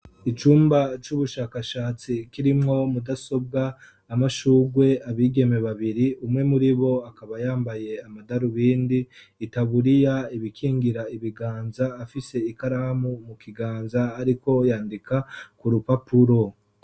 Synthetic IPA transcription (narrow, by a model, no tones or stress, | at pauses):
it͡ʃuːmbat͡ʃuβuʃaːkaʃaːt͡sikiɾimŋo̞mudaso̞b̚ɡaː | maʃuːɡwe̞ʔaβiːɡe̞meβaβiɾiumŋe̞muɾiβo̞akaβajaːmbaje̞amadaɾuβiːndiː | taβuɾijaiβikʰiːŋɡiɾaiβiɡaːnzaːfise̞ikaɾahamumukiɡaːnzaːɾiko̞jaːndikakuɾupapuɾo̞